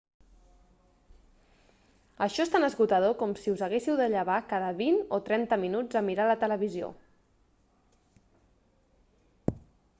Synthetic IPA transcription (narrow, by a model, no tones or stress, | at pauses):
əʃɔest̪anəzɣut̪əðokɔmsiuzəɣesiwd̪əʎəβ̞akaðəβinot̪ɾɛnt̪əminud͡zəmiɾalət̪ələβizio̰